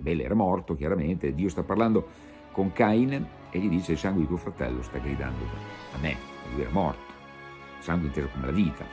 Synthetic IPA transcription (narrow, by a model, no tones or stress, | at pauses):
bɛlːɛ̰ːɾamɔrt̪okjaɾament̪ed̪iːost̪apːarland̪o | koŋkain | eʎːid̪iːt͡ʃeilsaŋɡwed̪it̪uofɾat̪ɛ̰lːost̪aɡɾid̪a̰nd̪o̰amːḛ | a̰lujɛ̰ːɾamɔ̰rt̪o̥ | saŋɡweint̪eːzokomelaviːt̪ʰa̰